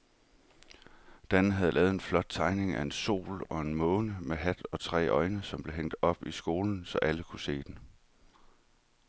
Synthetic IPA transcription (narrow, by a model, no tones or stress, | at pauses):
d̥ænəɦæð̞̩ˠlɛːʊð̩ˠe̝nflɒ̽d̥̚t͡sʰɑ̈ɪne̝ŋæe̝nso̝̰ːlɒ̽e̝nmɔ̽ːnəmeɦæd̥ɒ̽t͡sʰʁɛ̰ːʔɒ̽ɪnəsɒ̽mb̥le̝ɦeŋ̰d̥ɒ̽b̥isɡ̥o̝ːln̩sɒ̽ʔæləkʰuse̝̰ːd̥en